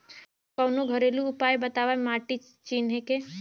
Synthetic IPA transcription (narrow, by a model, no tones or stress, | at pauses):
kɔwnũɡʱəɾelũːpajbət̪aʋajmaʈi | t͡ʃinɦeke